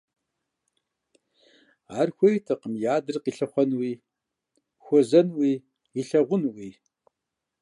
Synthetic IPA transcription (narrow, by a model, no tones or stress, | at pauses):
aːrxʷɔjtʰɐqəmjaːdɨrqiːɬɐχʷɔnwiː | xʷɔzɐnwiː | iɬɐʁʷʊnwiː